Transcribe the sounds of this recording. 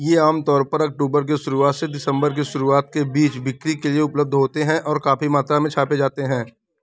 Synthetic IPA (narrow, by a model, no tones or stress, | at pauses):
jeaːmt̪ɔːɾpɐɾɐk̚ʈoːbəɾk̬iʃʊɾuaːt̪sed̪ɪsə̃mbəɾk̬iʃʊɾuaːt̪̚kebiːt͡ʃbɪkɾikelieʊpləb̚d̪ʱɦoːt̪eɦɛ̃ʔɔːɾkaːfimaːt̪ɾamẽt͡ʃʰaːped͡ʒaːt̪eɦɛ̃ː